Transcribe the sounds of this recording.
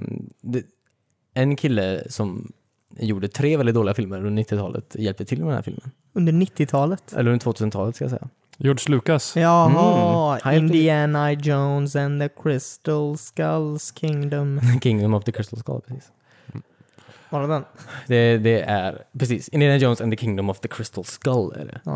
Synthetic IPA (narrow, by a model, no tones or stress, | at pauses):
d̪ɛ | ɛnkʰɪlːə̰sɔm | juːɖət̪ʰɾeːvɛlɪt̪d̪oːlɪɡafɪlməɾnəɳɪt̪ːɪt̪ʰɑ̰ːlə̰t̪jɛlp̚t̪ət̪ʰɪlːɛdɛnhæ̰ɾfɪ̰lmən | ɵnd̪əɳɪt̪ːɪt̪ʰɑːlət̪ɛ̰lːɾɵnəʈ̪ʰvoːt̪ʰʉːsənt̪ʰɑːlət̪skaja̰sɛ̰jːa | juːɖʂlʉ̟ːkasjɑɦɑɪnd̪ɪɛnajd͡ʒoʊnsɛnd̪əkʰɾɪst̪əlskalskʰɪŋd̪ɔmkʰɪŋd̪ɔmɔvd̪əkʰɾɪst̪əlska̰lpʰɾɛsiːs | vɑːɾad̪ɛnd̪ɛd̪ɛʔæ̰ɾpʰɾɛsḭːsɪ̃nd̪ɪɛnad͡ʒɔʊnsɛnəkʰɪŋd̪ɔmɔvd̪əkʰɾɪst̪əlskalæ̰ɖɛ̰j̰